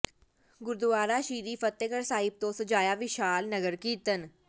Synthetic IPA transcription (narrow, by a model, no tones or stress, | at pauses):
ɡʊɾd̪ʊʋaːɾaːʃiːɾiːfət̪ːəkəɾsaːɦɪb̚t̪õːsəd͡ʒaːjaːʋɪʃaːlnəɡəɾkiːt̪ən